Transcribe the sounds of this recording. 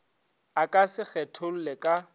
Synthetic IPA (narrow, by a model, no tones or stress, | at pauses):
akʼasɪk͡xɛtʰol̩lekʼa